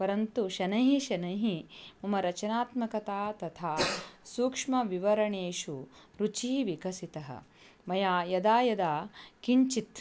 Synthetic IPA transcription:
pɐɾɐnt̪uʃɐnɐɦiʃɐnɐɦimɐmɐɾɐt͡ʃɐnaːt̪mɐkɐt̪aːt̪ɐt̪ʰaːsuːkʂmɐʋiʋɐɾɐɳeːʃuɾut͡ʃiʋikɐsit̪ɐɦɐ̰ | mɐjaːjɐd̪aːjɐd̪aːkiɲt͡ʃit̪

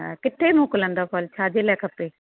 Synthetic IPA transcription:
kɪʈ̪ʰːemõːkələ̃nd̪aːpʰɔːlt͡ʃʰaːd͡ʒelɛːkəpːeː

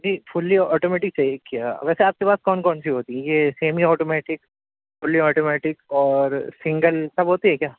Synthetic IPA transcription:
d͡ʒiːfʰʊlːiɔːʈoːmɛːʈɪk̚t͡ʃaːiekːija̰ʋɛːseaːp̚kepaːskɔːnkɔːnʃiɦoːt̪iɦɛ̃jeseːmiɔːʈoːmɛːʈɪk | fʊlːiɔːʈoːmɛːʈɪkɔːɾsɪ̃ŋɡəlsɐbɦoːt̪iɦɛ̃kjaː

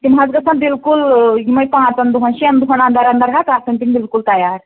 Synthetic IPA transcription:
t̪imɦãd͡zɡɐsãbilkulɦiməjpãt͡sɐnd̪uɦənɕiɐnd̪uɦəɳand̪ʱaɾand̪aɾɦakaɾsəɳʈiŋbilkult̪ɐjaɾ

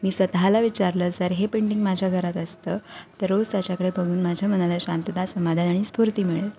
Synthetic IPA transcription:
miːsət̪ɦalaʋit͡ɕaɾləd͡zəɾɦepeɳʈiŋɡmad͡ʑʱaɡʱəɾat̪əst̪əːt̪əɾod͡zt̪jat͡ɕakəɽebʱəɡʱuːnmad͡ʑʱam̤ənalaɕant̪ud̪asəmad̪ʱanaɽ̃iːspuɾt̪iːmiɭe

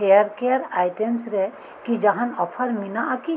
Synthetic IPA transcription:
ejəɾkejəɾajʈemsɾɛ | kid͡ʒɐɦanɔpʰəɾminaʔaki

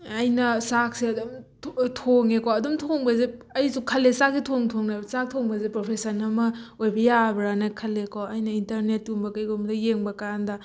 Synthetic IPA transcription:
ɐjnɐsak̚siɐdomttʰoŋekoɐdomtʰoŋbɐzeɐjsukʰɐlːesak̚sitʰoŋtʰoŋnajbɐsak̚tʰoŋbɐzepɾopʰesɐnɐmɐojbɐjabɾanakʰɐlːekʰoɐjnɐintɐɾnetːumbɐkɐjɡomlɐjeŋbɐkandɐ

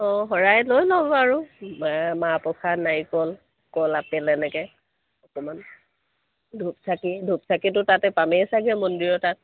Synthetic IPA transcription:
ɔɦɔɹajlojlɔbɔaɹʊmamapɔkʰanajkɔl | kɔlapɛlɛnɛkɛ | ɔkɔman | dʱupsʰakidʱup̚sʰakit̬ʊtatɛpamɛsaɡɛmɔndiɹɔtat̚

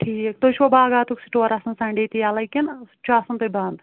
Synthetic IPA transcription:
ʈʰiːkt̪oʃʋɐbaːɡaːt̪uksi̥ʈoɐɾɐsɐnsɐ̃ɳɖet̪ijaːlɐjkint͡ʃʰuaːsɐnt̪uband̪

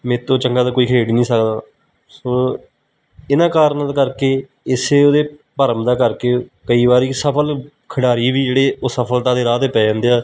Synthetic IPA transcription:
mɛ̃ːt̪õːt͡ʃəŋɡaːd̪aːkoːiːkʰeːɽiːnĩːsəkd̪aː | sõː | ɪnãːkaːɾnalkəɾkeː | ɪseːoːd̪eː | pəɾəmd̪aːkəɾkeːkəiːbaːɾiːsəpʰəl | kʰəɽaːɾiːʋiːd͡ʒeːɽeːoːsəpʰəlt̪ãːd̪eːɾaːt̪eːpɛːãːnd̪eːaː

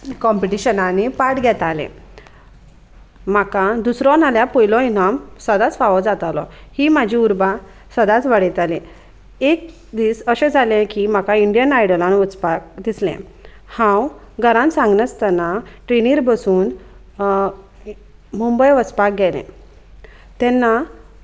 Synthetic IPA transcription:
kɔmpiʈiɕənanipaʈɡʱɛt̪alɛ̰̃ | makãd̪usɾɔnaljapɔjlɔ̃inamsəd̪at͡sʋaʋɔd͡zat̪alɔhimad͡ʑʱiuɾba | səd̪at͡sʋəɽit̪alẽ | ek̚ | d̪iːsəɕɛ̃d͡zʱalɛ̃kim̤akaiɳɖijənajɽəlãnʋət͡spak̚d̪islɛ̰̃ | hãw | ɡʱəɾãnsãŋɡnət͡st̪anaʈɾeniɾbəsuːn | mumbəjʋət͡spak̚ɡʱɛlɛ̰̃ | t̪ɛnːa

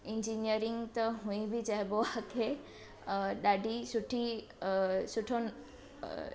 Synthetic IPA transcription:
ind͡ʒinijəɾiŋɡt̪ɔɦũĩbʱid͡ʒaɦɛboakʰe | ɗaɖʱisuʈʰi | suʈʰon

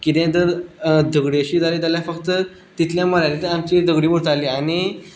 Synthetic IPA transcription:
kit̪ẽt̪əɾd̪ʱəɡɽiəɕiːd͡zʱaliːd͡z̪aljafəkt̪ə | t̪it̪ljãməlajlit̪əɾamt͡ɕid̪ʱəɡɽiːʋəɽt̪aliañi

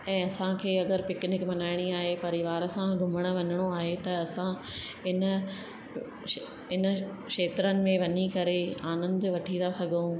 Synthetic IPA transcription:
ɛ̃ːɐsãkʰeːɐɡəɾpɪknɪkmɐnaːɪɽ̃iaːɦepɐɾɪʋaːɾəsãɡʱʊməɽ̃ə̆ʋɐɲɪɽ̃oaːɦet̪ɐɐsã | ɪnə | ɪn̆ | ʃeːt̪ɾənɪ̆mẽʋɐɲikɐɾeaːnə̃nd̪ʋɐʈʰĩnd̪asɐɡʱũ

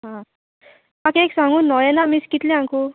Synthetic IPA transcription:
ɦã | akeeksãŋunʌjenamiskit̪leãŋku

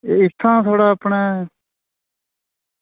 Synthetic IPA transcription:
eɪt̪ʰːãːt̪ʰoːɽaːəpɳɛː

